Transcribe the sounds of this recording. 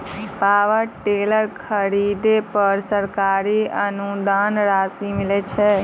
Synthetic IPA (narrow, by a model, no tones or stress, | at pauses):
paʋəɾʈeləɾkʰəɾid̪epəɾsəɾkaɾiənud̪anɾasimilɛt͡ʃʰɛ